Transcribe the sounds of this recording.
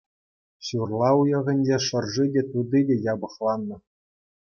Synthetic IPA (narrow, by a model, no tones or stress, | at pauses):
ɕurlˠɑujɤ̆ʁʲɘ̆nʲd͡ʑeʂɤ̆rʐidʲet̪ud̪idʲejɑbɤ̆χlˠɑnːɤ̆